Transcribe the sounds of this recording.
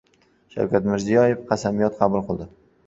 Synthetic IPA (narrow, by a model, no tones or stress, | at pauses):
ʃa̰wkʲat̪mɪɾzijɒjefqʰɑsamijɒt̪qʰɑbʊlˠqʰɨlˠd̪ɪ